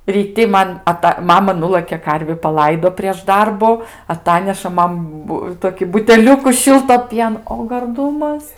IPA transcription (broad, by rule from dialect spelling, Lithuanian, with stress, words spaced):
rʲiːˈtʲɪ ˈmɐn ɐˈtɐ ˈmɑːmɐ ˈnʊlˠɘkʲeː ˈkɐrʲʋʲɪ pɐˈlˠɐɪdoː pʲrʲiɛʃ ˈdɐrbʊ ɐˈtɑːnʲɛʃɐ ˈmɐn ˈbʊ ˈtoːkʲɪ bʊtʲɛˈlʲʊkʊ ˈʃʲɪlˠtoː ˈpʲiɛnoː oː ɡɐrˈdʊmɐs